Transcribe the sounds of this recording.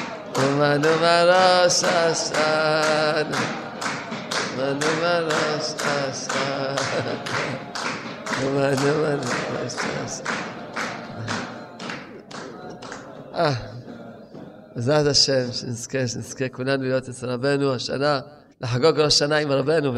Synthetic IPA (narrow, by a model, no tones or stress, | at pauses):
umanumaɾoʃaʃa | n | manumaɾoʃaʃa | umanumanuo̰ʃa̰ʃ | ʔa | zataʃemʃenizkeʃnizkekulanulijot̪et͡sɾabenuaʃa̰na | laħaɡoɡɾaʃanaimɾabenu